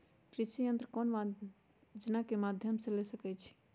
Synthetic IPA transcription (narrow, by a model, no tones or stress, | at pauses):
kɾɪʃijə̃nt̪ɾəkɔnma | d͡ʒənakemad̪ʱjəmsẽlesəkɛt͡ʃʰi̥